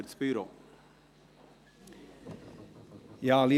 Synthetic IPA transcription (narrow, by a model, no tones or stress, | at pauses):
ɾt̪spyːɾo | jaːli